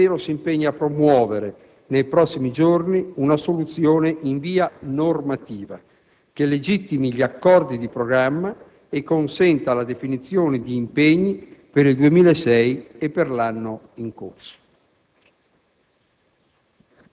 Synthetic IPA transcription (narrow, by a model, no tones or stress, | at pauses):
eːɾosimpeɲːaːpːɾomwɔːveɾe | nejpɾɔsːimid͡ʒorniunasolut̪sjoːneʔiɱviːanormat̪iːva̰ | k̟elːed͡ʒit̪ːimiʎakːɔrd̪id̪ipɾoɡɾamːa | ekːonsɛnt̪alad̪efinit̪sːjoːned̪iːmpeɲːipeɾild̪uemiːlaesɛjepːerlanːo | iŋko̰rso̥